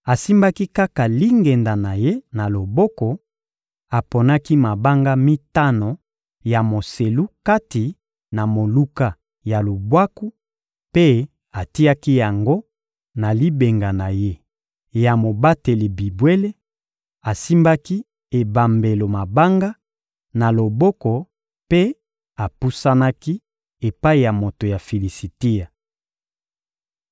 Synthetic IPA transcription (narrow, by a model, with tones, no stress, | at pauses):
a˨si˦mba˦ki˦ka˦ka˨li˦ŋɡe˨nda˨na˨je˦na˨lo˨bɔ˦kɔ˨ | a˨po˨na˦ki˦ma˨ba˦ŋɡa˦mi˦ta˦no˨ | ja˨mo˨se˨lu˦ka˦ti˨ | na˨mo˨lu˦ka˦ | ja˨lu˨bwa˦ku˦ | pe˦ | a˨ti˦a˦ki˦ja˨ŋɡo˦ | na˨li˦be˨ŋɡa˨na˨je˦ | ja˨mo˨ba˦te˨li˨bi˨bwe˦le˦ | a˨si˦mba˦ki˦ | e˨ba˨mbe˨lo˨ma˨ba˦ŋɡa˦ | na˨lo˨bɔ˦kɔ˨ | pe˦ | a˨pu˦sa˦na˦ki˦ | e˨pa˦i˨ja˨mo˨to˨ja˨fi˨li˨si˨ti˦ja˨